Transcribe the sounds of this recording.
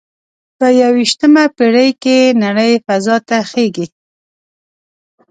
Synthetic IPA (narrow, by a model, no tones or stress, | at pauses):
pəjawiʃt̪əmapeɽəjkenaɽəjfazɑt̪axeɡi